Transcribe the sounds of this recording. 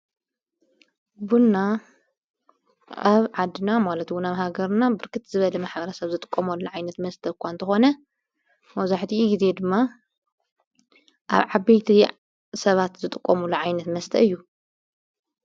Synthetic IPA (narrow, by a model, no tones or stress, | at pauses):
bunːa | aβʕad̪ːɨnamalɐt̪wʊnaβɦaɡɐɾnabɨɾkʰɨt̪zɨβɐlɐmaħbɐɾɐsɐβzɨt̪ʼɨ̥kʼːɐmɐlːuʕajnɐt̪mɐst̪ʰɐkʷʰːant̪ʰɨxo̞nɐ | mɐwzaħt̪ʰiuɡize̞d̪ɨmːa | ʔa̰βʕabejt̪ʰi | sɐβat̪zɨt̪ʼɨkʼːomulːuʕajnɐt̪mɐst̪ʰɐ̰ɨjːu